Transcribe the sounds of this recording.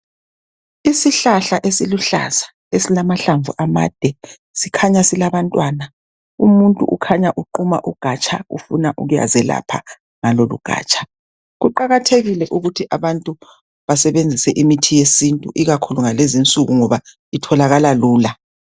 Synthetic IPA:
isiɬaɬaʔesiluɬa̰z̥ḁ | esilamaɬaɱvuʔama̰ːd̥ʱɛ | sikʰaɲasilaβantʼwana | ṵmuntʼṵʔukʰaɲaʔuǃuma̰ʔuɡ̥ʱat͡ʃʼʰa̰ṵfunaʔṵɣuja̰zɛla̰pʰa̰ | ŋalolṵɡ̥ʱa̰ːt͡ʃʼḁ | ɣuǃaɣatʰeɣilɛʔuɣutʰiʔaβantʼu | βasɛβend͡zʱisɛʔimitʰijesintʼṵʔiɣakʰuluŋalezint͡sʼuɣuŋɔβa | itʰɔlaɣalaluːla

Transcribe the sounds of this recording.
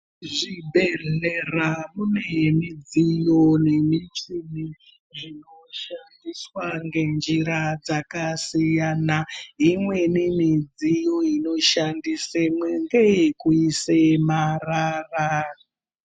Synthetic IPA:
ʐibʱeɮeramune̞mid͡zijo̞nemit͡ʂini | ʐino̞ʃandiswaŋɡe̞nd͡ʒiɾad͡zakasijanaɦimwe̞nimid͡zijo̞ino̞ʃandisemweŋɡejikuisemarara

